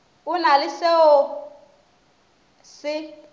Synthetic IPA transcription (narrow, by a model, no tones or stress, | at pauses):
ʊnalɪsɛɔ | sɪ